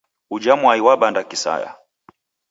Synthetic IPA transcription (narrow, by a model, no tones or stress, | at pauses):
ud͡ʒamwaiwaɓandakisa̰ja̰